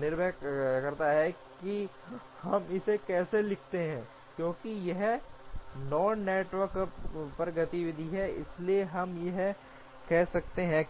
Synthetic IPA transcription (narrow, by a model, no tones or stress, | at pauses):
nɪɾbʱɛkɐɾt̪aɦɛki | hɐmɪsekɛːselɪkʰt̪eɦɛ̃ | kjõːkijɐɦ | nɔːnːeːʈʋəɾkpɐɾɡɐt̪iʋɪd̪ʱiɦɛɪ̰slieɦɐmjɐɦ | kɛɦsɐkt̪eɦɛ̃